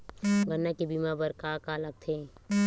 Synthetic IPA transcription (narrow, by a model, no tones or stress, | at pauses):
ɡənːakibimabəɾkakalək̚t̪ʰeː